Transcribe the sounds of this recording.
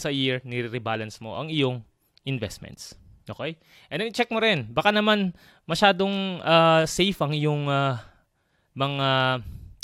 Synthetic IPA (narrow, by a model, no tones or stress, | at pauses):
sɐjiɹnɪɾɪɾɪbaːlɐnsmo̞̰ʔɐŋʔɪjo̞ŋ | ʔɪnvɛst̪̚mɛ̰nt̪s | ʔoːkej | ʔɛ̃nd̪ɛnɪt͡ʃɛk̚moɾɪnbakanɐman | mɐʃaːd̪o̞ŋʔasejfɐŋɪjoŋa | mɐŋa